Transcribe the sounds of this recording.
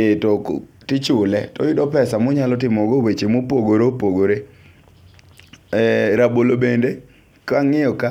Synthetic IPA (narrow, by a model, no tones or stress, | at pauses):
ɪtɔk | tɪt͡ʃʊlɛtɔ̰jʊdɔpɛsamʊɲalɔtɪmɔɡowet͡ʃemopoɡoɾopoɡoɾe | ɾabolobende | kaŋɪjɔka